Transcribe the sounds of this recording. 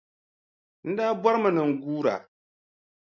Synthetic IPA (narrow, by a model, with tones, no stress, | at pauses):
n̩˦daː˦ba˦ɾɨ˦mɨ˨nɨ˨ŋ̩˨ɡuː˦ɾa̰˨